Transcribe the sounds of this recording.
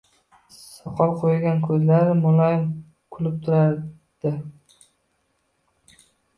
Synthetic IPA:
sɒqʰɒlˠqʰojɡʲankʰɵzlaɾɪmʊlˠɒjɪm | kʰʊlɪp̚t̪ʰʊɾaɾ | d̪̥ɪ

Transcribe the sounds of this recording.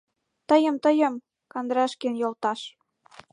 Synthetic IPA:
t̪əjə̆mt̪əjə̆m | kɑnd̪ɾɑʃkenjolt̪ɑʃ

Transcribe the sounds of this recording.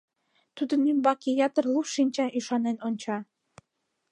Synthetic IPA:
t̪ud̪ə̆nymbɑkʲijɑt̪ərlˠuʃinʲt͡ɕɑʔyʃɑnenont͡ɕɑ

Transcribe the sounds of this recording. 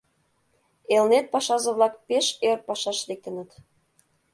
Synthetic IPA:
elnet̪̚pɑʃɑzɤ̆βlˠɑkpeʃert̪̚pɑʃɑʃlek̚t̪ə̆nə̆t̪

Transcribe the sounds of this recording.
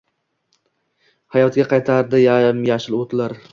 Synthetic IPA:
hajɒt̪ɡʲaqʰɑjt̪ʰaɾd̪ɪjamjaʃɪlˠot̪ʰlaɾ

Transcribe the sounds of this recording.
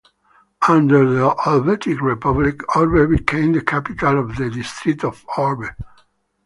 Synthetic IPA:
ãnd̪əɹðəʔɔlvɛtʰikɹɛpablikɔlbɛbikʰẽɪ̃md̪əkʰæpit̪alɔvðəd̪ist̪ɹit̪ɔvɔɹbə

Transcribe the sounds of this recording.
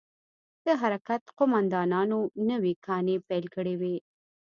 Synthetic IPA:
d̪̥əɦaɾakat̪qʊmand̪ɑnɑnonəwikʰɑnepajlkəɽewe

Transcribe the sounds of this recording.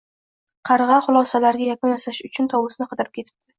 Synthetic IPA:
qʰɑɾʁɑχʊlˠɒsalaɾɡʲajakʊnjasaʃʊt͡ʃʰʊnt̪ʰɒwɪsɪnɪqʰɑd̪ɪɾɪp̚kʰʲe̞t̪ʰɪ̥p̚d̪ɪ

